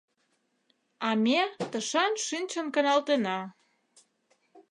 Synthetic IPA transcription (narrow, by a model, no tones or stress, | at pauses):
ɑmʲet̪əʃɑnʃinʲt͡ɕə̆nkənɑlt̪enɑ